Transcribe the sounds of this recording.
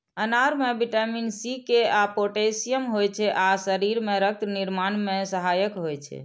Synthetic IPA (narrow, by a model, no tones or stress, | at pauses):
ənaɾmebiʈəminsikeapoʈesijəmɦojt͡ʃʰɛʔasəɾiɾmeɾək̚t̪niɾmanmesəɦajəkɦojt͡ʃʰɛ̰